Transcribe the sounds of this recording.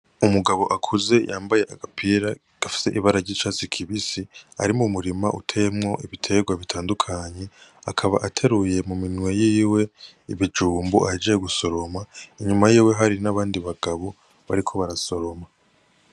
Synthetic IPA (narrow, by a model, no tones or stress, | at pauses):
umuɡaβo̞ʔakʰuze̞jaːmbaje̞ʔaɡapʰiːɾa | ɡ̥afi̥se̞ʔiβaɾaɾɟiːt͡ʃaːt͡sikʰiβisia̰ɾimumuɾimaʔutʰejemŋo̞ʔiβitʰe̞ɡwaβitʰaːndukʰaɲe̞akʰaβa̰ʔatʰe̞ɾuje̞muminwe̞jiːwe̞iβid͡ʒuːmbuʔad͡ʒejeɡuso̞ɾo̞maiɲumajiːwe̞ɦaɾinaβaːndiβaɡ̥aβo̞ | βa̰ɾikʰo̞βaɾaso̞ɾo̞ma